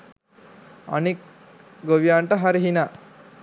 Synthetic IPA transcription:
ɐ̰nik̚ | ɡoʋjaːɳʈɐɦaɾiɦina

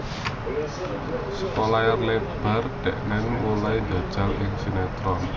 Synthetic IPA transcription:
səkolajarleb̥a̤rɖ̪̥ɛʔnɛnmulaind̪a̤d̥ʒ̥a̤lɪŋsinet̪ɾɔn

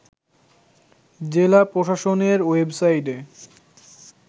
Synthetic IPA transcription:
d͡ʑelapɾoʃaʃoneɾwebsajʈe

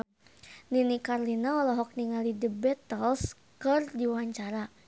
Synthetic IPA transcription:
ninikarlinaɔlɔɦɔk̚niŋalidəbɛt̪əls | kərdiwaɲt͡ʃaɾa

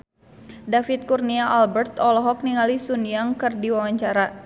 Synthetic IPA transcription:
dafit̪̚kurniaʔalbɛrt̪ɔlɔɦɔk̚niŋalisunijaŋkɨrdiwawaɲt͡ʃaɾa

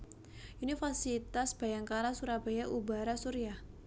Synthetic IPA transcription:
ʔunifasit̪asb̥ajaŋkaɾasuɾab̥ajaʔuba̤ɾasuɾiah

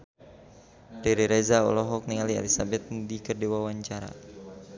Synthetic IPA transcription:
riɾiɾɛzaɔ̰lɔɦɔk̚niŋaliɛ̰lisabɛt̪̚dikərdiwawaɲt͡ʃaɾa̰

